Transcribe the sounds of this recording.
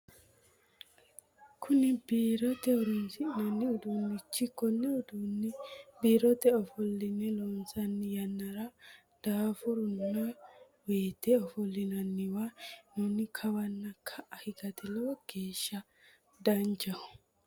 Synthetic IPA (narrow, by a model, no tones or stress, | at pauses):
kʰʊnɪbiːɾɔt̪ɛɔɾʊnsɪnɐnːɪɔd̪uːnːɪt͡ʃːɪkːɔnːɛɔd̪unːɪbiːɾɔt̪ɛɔfɔlːɪnɛlɔnsɐnːɪjɐnːɐɾɐ | d̪̥aːfʊɾʊnːɐ | weːt̪ɛɔfɔlːɪnɐnːɪwanunɪkʰɐwɐnːɐkʰːɐʔɐhɪɡɐt̪ɛlɔwɐɡ̥e̞ːʃːɐ | d̪ɐnd͡ʒɐhʊ̥